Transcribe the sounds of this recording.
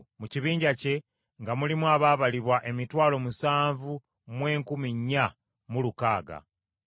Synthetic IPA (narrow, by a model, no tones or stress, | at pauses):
muciβiːɲɟace̞ | ŋɡamulimwaβaːβaliβwaʔe̞mitwaːlo̞musaːɱvu | mwe̞ːŋkumiɲːa | mulukaːɡa̰